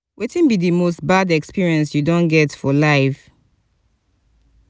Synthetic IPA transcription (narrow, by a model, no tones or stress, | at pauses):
wʔetĩnbiðɨmostbadɛkspiɹiɛ̃nsjudɔ̃nɡɛtfɔlaɪf